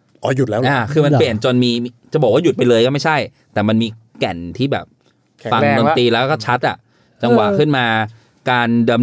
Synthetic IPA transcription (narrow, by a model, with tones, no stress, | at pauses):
ʔɔː˨˦ju˨˩t̪̚lɛː˦˥ʔaː˧kʰɯː˧ma˧nli˨˩ənt͡ɕo˧nmiː˧t͡ɕa˨˩bɔː˨˩k̚waː˥˩ju˨˩t̪̚pa˧jlɤː˧jkɔː˥˩ma˥˩jt͡ɕʰa˥˩j | t̪ɛː˨˩ma˧nmiː˧kɛ˨˩nt̪ʰiː˥˩bɛ̰ː˨˩p̚ | fa˧ŋdoː˧˩iː˧lɛː˦˥kːkɔː˥˩t͡ɕʰa˦˥t̪̚ʔa̰˨˩ʔ | t͡ɕa˧ŋwa̰˨˩kʰɯ˥˩nmaː˧ | kaː˧ndɤː˧m